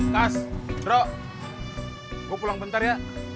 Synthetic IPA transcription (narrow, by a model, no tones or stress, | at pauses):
kasrɔʔ | ɡopulaŋbənt̪aɾja